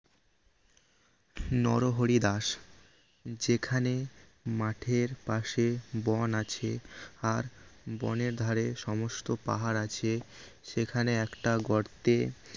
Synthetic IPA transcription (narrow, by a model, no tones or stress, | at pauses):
nɔɾoɦoɾid̪aʃ | d͡ʑekʰane | maʈʰeɾpaʃebɔnat͡ɕʰeaɾbɔ̰neɾd̪ʱaɾeʃɔmost̪opa̰ɦaɾat͡ɕʰe | ʃekʰaneɛkʈaɡɔɾt̪e